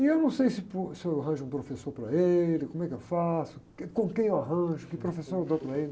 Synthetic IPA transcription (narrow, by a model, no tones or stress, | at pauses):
ɪewnɐ̃w̃sejsɪposɪewaɦɐ̃ʒʊũpɾofesoɾpɾɐelɪkõmʊɛkɪewfasʊ̥ | kõkẽj̃ewaɦɐ̃ʒʊkɪpɾofesoɾewd̪opɾɐelɪ